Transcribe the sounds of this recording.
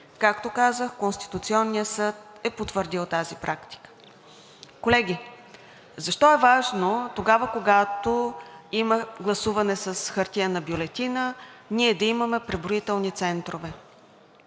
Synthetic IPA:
kakt̪okazəxkonst̪i̥t̪ut̪siɔnːijəsɤt̪̚ɛpot̪vəɾd̪ilˠt̪azipɾʔakt̪i̥kə̥ | kolɛɡ̟ʲi | zɐʃt̪ɔɛvaʒnot̪oɡavəkoɡat̪oiməɡlˠɐsuvɐnɛsɐsxəɾt̪ʲiənɐbjolɛt̪inəniɛd̪ɐiməmɛpɾɛbɾoit̪ɛlˠnit̪sɛnt̪ɾovɛ

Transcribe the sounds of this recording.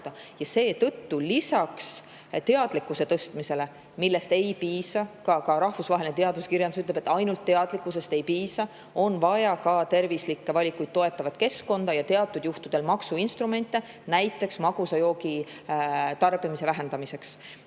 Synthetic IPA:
d̪̥ɑjɑse̞ːt̪ɤt̪ːulisɑks | t̪e̞ɑd̪̥likːˑuse̞t̪ɤst̪mise̞le̞ | milːe̞st̪e̞jpiːsɑkɑkɑɾɑhvusvɑɦe̞lʲinet̪eɑd̪uskiɾjɑnd̪usyt̪ːlebe̞t̪ːɑjnult̪ːeɑd̪likːˑus̬e̞st̪e̞jpiːsɑ | o̞nvɑjɑkɑt̪e̞rvislikːe̞vɑlʲikujd̪̚t̪o̞e̞t̪ːˑɑvɑd̪̥ke̞sko̞nd̪ɑjɑt̪e̞ɑt̪ːˑud̪̥juht̪ud̪̥e̞lmɑksuinst̪rume̞nʲt̪ːˑe̞ | næjt̪ːˑe̞ksmɑɡ̥usɑjo̞ːɡi | t̪ɑrb̥imise̞væɦe̞nd̪ɑmise̞ks

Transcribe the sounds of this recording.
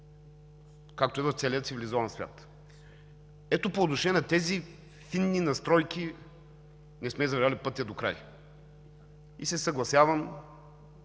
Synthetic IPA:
kak̚t̪oɛvoft̪sɛliət̪sivilizɔvɐnsvʲja̰t̪ | ɛt̪opoːt̪noʃɛnʲɛnɛt̪ɛzi | finːinɐst̪ɾɔjkʲi | nɛsmɛzɐvɾalʲipɤt̪iɛd̪okɾa̰j | isɛsɐɡlˠɐsjavɐm

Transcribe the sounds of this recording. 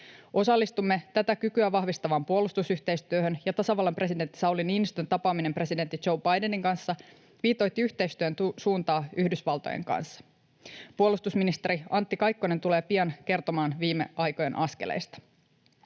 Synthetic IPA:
ʔo̞sɑlːist̪umːe̞t̪æt̪ækykyæʋɑhʋist̪ɑʋɑmpuolust̪usyht̪e̞jst̪yøɦønjɑt̪ɑsɑʋɑlːɑmpre̞side̞nt̪ːi̥sɑwliniːnist̪ønt̪ɑpɑːmine̞mpre̞side̞nt̪ːid͡ʒo̞wbɑjdeniŋkɑnsːɑ | ʋiːt̪o̞jt̪ːiyçt̪e̞jst̪yønt̪suːnt̪ɑːyhdysʋɑlt̪o̞̰jḛŋkɑ̰nsːɑ̥ | puolust̪usminist̪e̞ɾiɑnt̪ːikɑjkːone̞nt̪ule̞ːpiɑnke̞rt̪o̞mɑːnʋiːmːe̞̰ʔɑjko̞je̞nʔɑskelʔḛjst̪ɑ̥

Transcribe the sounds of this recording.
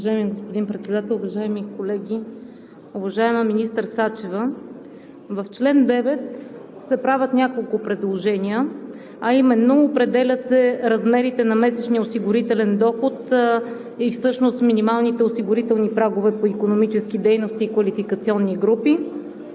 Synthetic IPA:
vɐʒaɛmiɡospod̪inpɾɛt̪sɛd̪at̪ɛlˠʊvɐʒaɛmikolɛɡʲi | ʊvɐʒaɛməminist̪əɾsat͡ʃɛvə | vɐft͡ʃlɛnd̪ɛvɛt̪ | sɛpɾavʲət̪nʲakolˠkʊpɾɛd̪lˠoʒɛnʲiə | ɐimɛnːoːpɾɛd̪ɛlʲət̪sɛɾɐzmɛɾit̪ɛnɐmɛsɛt͡ʃniəosiɡʊɾit̪ɛlɛnd̪ɔxot̪ | ifsɤʃnost̪minimalˠnit̪ɛosiɡʊɾit̪ɛlˠnipɾaɡovɛpoikonomit͡ʃɛsk̟id̪ɛjnost̪iːkvɐlifikɐt̪siɔnːiɡɾupi

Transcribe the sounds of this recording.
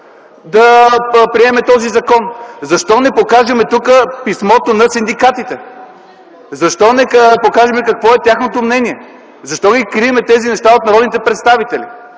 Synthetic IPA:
d̪ɐpɾiɛmɛt̪ɔzizɐkɔnzɐʃt̪ɔnɛpokaʒɐmɛt̪ukəpismɔt̪onɐsind̪ikat̪it̪ɛ | zɐʃt̪ɔnɛkpokaʒɛmɛkɐkvɔɛt̪ʲjaxnot̪omnɛniɛ | zɐʃt̪ɔɡikɾiɛmɛt̪ɛzinɛʃt̪aot̪nɐɾɔd̪nit̪ɛpɾɛt̪st̪avit̪ɛlḭ

